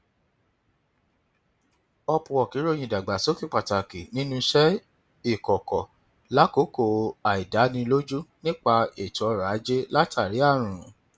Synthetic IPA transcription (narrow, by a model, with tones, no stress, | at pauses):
ɔ˧pũ˨ɔ˨ki˨˦ɾo˦j̃ĩ˨da˨ɡ͡ba˨so˦ki˦˨k͡pa˨ta˨ki˨nĩ˦nũ˦ʃɛ˦ | i˦˨kɔ˨kɔ˨ | la˦ko˨˦ko˨˧a˨i˨da˨˦nĩ˧lo˦d͡ʒu˦nĩ˦k͡pa˧e˨tɔ˨ɾa˨˦d͡ʒe˦la˦tʰa˦˨ɾi˨˦a˦˨ɾ̃ũ˨